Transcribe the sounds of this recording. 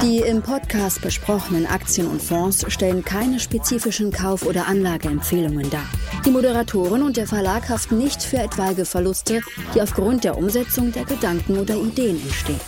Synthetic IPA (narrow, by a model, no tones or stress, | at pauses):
d̥iːɪmpʰɔtkʰaːst̚b̥əʃpʁ̥ɔxənənʔa̰kt͡sjənʊ̰ntfɔ̃ːsʃtɛlənkʰaɪnəʃpet͡siːfɪʃn̩kʰaʊfʔoːɾɐʔanlaːɡəɛmfeːlʊŋəndaːd̥iːmoɾəʁatʰoːʁ̞ɪnʊntd̥eːɐfɛɐlaːkhaftn̩nɪçtfyːɐɛtv̥alɡəfɛɐlʊstə | d̥iːaʊfɡ̥ʁʊnt̚d̥eːɐʔʊmzɛt͡sʊŋdeːɐɡədaŋkŋ̩ʔoːdɐideːənɛntʃteːən